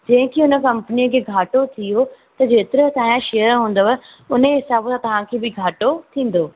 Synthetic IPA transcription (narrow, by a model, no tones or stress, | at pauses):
d͡ʑɐ̃ɦɪ̃kiʊnə̆kɐ̃mpənijəkʰeːɡʱaːʈot̪ʰijo | t̪ɐd͡ʑeːt̪ɪɾət̪aːɦãʃejəɾɦũːn̆d̪oə | ʊn̤eɦɪsaːbsãt̪ɐʋ̤ãkʰeːbɪɡʱaːʈot̪ʰĩːn̆d̪oː